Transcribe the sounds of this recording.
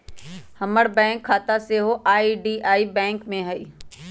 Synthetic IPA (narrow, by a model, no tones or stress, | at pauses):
hɐməɽbɛ̃ːŋkʰːaːt̪aseɦoʔaːiɖiːʔaːibɛ̃ːŋkmẽɦɐḭː